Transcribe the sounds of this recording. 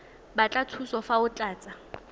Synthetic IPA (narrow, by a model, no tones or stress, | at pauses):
bat͡ɬʼatʰusɔfaʊt͡ɬʼaːt͡sʼa